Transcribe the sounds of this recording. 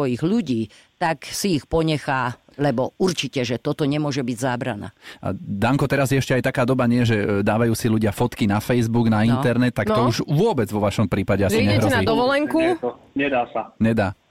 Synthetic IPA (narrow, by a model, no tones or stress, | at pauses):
ɔjiɣʎuɟiː | t̪aksiixpɔɲɛxaː | lɛbɔuɾt͡ʃicɛʒɛt̪ɔt̪ɔɲɛmʊɔʒɛbiɟzaːbɾana̰ːa̰d̪aŋkɔt̪ɛɾazjɛɛʃcɛajt̪akaːd̪ɔbaɲɪɛɛʒɛd̪aːʋajuːsiʎuɟɪafɔt̪kinafɛjzbuɡnainnt̪ɛɾnɛt̪ːakt̪ɔuʒʋʊɔbɛd͡zʋɔʋaʃɔmpɾiːpaɟɛaziiɲɛɦɾɔɛnad̪ɔʋɔlɛŋkut̪ɔɲɛd̪aːsaɲɛd̪aː